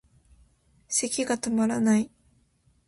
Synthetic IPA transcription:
se̞kʲiɡat̪omaɾanai

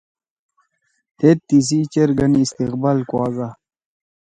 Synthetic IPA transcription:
t̪et̪ːis̬it͡ɕeɾɡɐniːst̪iqbaːlkwɑːza

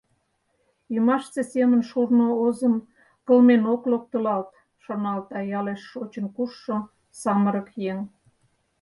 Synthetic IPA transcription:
əmɑʃt͡sesemənʃurnoozəm | kə̆lmenoklok̚t̪əlɑlt̪ | ʃonɑlt̪ɑjɑleʃːot͡ɕə̆nkuʃːo | sɑməɾəkjeŋ

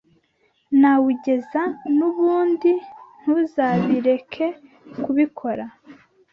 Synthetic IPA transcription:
nawuɟe̞zanuβuːndin̥huzaːβiɾe̞kʰe̞ | kuβikʰo̞ɾa

